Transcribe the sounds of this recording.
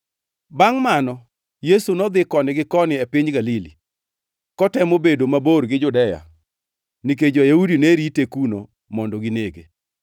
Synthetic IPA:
baŋmanɔ | jesunɔd̪ɪkɔnɪɡɪkɔnɪɛpɪɲɡalili | kɔtɛmobedomaboɾɡɪd͡ʒʊdɛja̰ | nik̬ed͡ʒɔjaudineɾitekuno | mɔndɔɡineɡe

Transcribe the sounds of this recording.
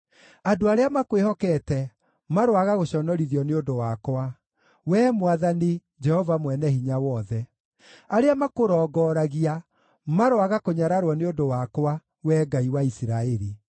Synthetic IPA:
adoaɾeamakwehɔkɛtɛ | maɾowaɣaɣoɕɔnɔɾiðjɔneondowakwa | wɛːmwaðani | d͡ʒɛhɔvamwɛnɛɦiɲawɔðɛ | aɾeamakoɾɔːɡɔɾaɣia | maɾowaɣakoɲaɾaɾwɔneondowakwa | wɛɡaiwaisiɾaɛɾi

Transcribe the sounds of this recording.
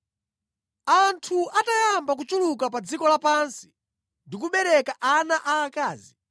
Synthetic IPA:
antʰuatajambak̬ut͡ʃulukapad͡zikɔlapansi̥ | ndikuɓɛɾɛkaʔanaʔaːkaːzi

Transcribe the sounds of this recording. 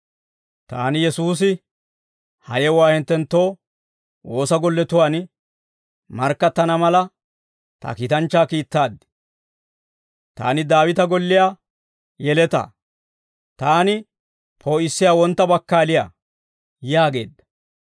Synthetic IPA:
t̪aːnɪjɛsuːs̬ɪ | hɐ̰jɛwaːhɪnt̪ːɛnt̪ːo̞ː | wo̞ːsɐɡɔlːɛt̪ʊwaːn | mɐɾkːɐt̪ːɐnɐmɐlɐ | t̪ɐ̰kiːt̪ɐnt͡ʃːaːkiːt̪ːaːd̪ɪ̥ | t̪a̰ːnɪd̪aːwɪt̪ɐɡɔlːɪjaː | jɛlɛt̪ɐ̰ | t̪aːnɪ | pʰoːɪsːɪjaːwɔnt̪ːɐbɐkːaːlɪja̰ː | jaːɡe̞̰ːd̪ːɐ̥

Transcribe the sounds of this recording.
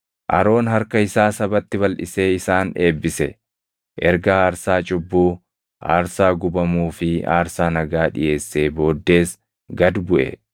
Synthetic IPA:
ʔɐ̰ɾo̞ːnɦɐɾkɐɪsaːsɐbɐt̪ːɪbɐlʔɪ̰se̞ːɪsaːne̞ːbːɪsɛ | ʔɛɾɡɐaːɾsaːt͡ʃʼʊbːuː | ʔa̰ːɾsaːɡʊbɐmuːfɪa̰ːɾsaːnɐɡaːᶑɪ̰jʔe̞ːsːe̞ːbo̞ːd̪ːe̞ːs | ɡɐd̪bʊʔɛ̰

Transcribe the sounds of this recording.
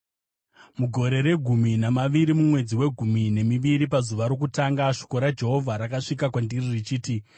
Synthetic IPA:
muɡʱo̞ɾe̞ɾe̞ɡʱuminamaʋiɾimumwe̞d͡ziwe̞ɡʱumine̞miʋiɾipazuʋaɾo̞k̬utaŋɡaʂi̥ko̞ɾad͡ʒe̞ɦo̞vʱaɾakaʂikakwandiririt͡ʃiːti

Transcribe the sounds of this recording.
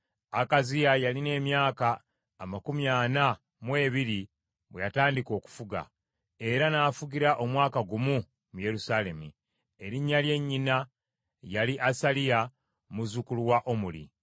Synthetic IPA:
akazijajaline̞ːmjaːkaː | makumjaːna | mwe̞ːβiɾi | βwe̞jataːndiko̞ːku̥fuɡa̰ | e̞ɾanaːfuɡiɾaʔo̞mwaːkaɡumu | muje̞ɾusaːle̞mṵ | e̞ɾiɲːalje̞ɲːina | jaliʔasalija | muzukuluwaʔo̞mulḭ

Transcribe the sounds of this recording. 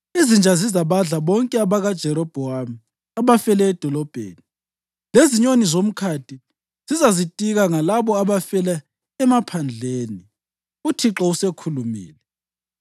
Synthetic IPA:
izind͡ʒʱazizaβaɮaβɔŋkʼɛaβaɣad̥ʒ̥ʱɛɾɔb̥ʱɔɦami | aβafɛlɛːd̥ʱɔlɔb̥ʱḛːni | leziɲonizom̩kʰaːtʰi | z̥izazitʼiɣaŋalaβɔaβafɛla | ɛmapʰand͡ɮʱeːni | utʰiǁɔusekʰulumḭːlɛ

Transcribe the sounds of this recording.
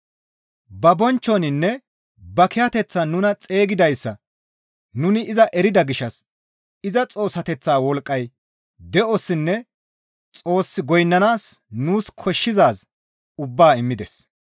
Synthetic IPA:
bɐbɔnt͡ʃːɔnɪnːɛ | bɐkɪjɐt̪ɛt͡sːaːnʊnɐt͡sʼe̞ːɡɪd̪ɐjsːɐ | nʊnɪɪzɐʔɛɾɪd̪ɐɡɪʃɐs | ɪzɐt͡sʼo̞ːsɐt̪ɛt͡sːaːwɔlkʼːɐj | d̪ɛʔɔsːɪnːɛ | t͡sʼo̞ːsːɪɡɔjnːɐnaːsnuːskʰɔʃːɪzaːs | ʊbːaːɪmːɪd̪ɛs

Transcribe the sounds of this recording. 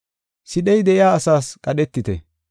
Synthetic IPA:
sɪɗɛjd̪ɛʔɪjaːɐsaːskʼɐɗɛt̪ːɪt̪ɛ̰

